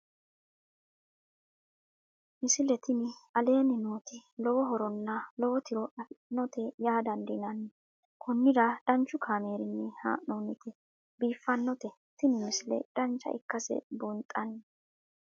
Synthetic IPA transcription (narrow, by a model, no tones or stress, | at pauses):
mɪsɪlɛt̪ɪnɪɐle̞ːnɪnoːt̪ɪlɔwɔɦɔɾɔnːɐlɔwɔt̪ɪɾɔɐfnɔt̪ɛjaːd̪ɐnd̪ɪnɐnːɛ | kʰɔnːɪd̪ɐd̥ɐnt͡ʃːʊkʰaːme̞ːɾɪnːɛha̰ːʔnoːnɪt̪ɛ | biːfːɐnːɔt̪ɛ | t̪ɪnɪmɪsɪlɛ̰d̪̥ɐnt͡ʃːɐ̰ɪ̰kːɐsɛ̰bʊnt̪ʼːɐnː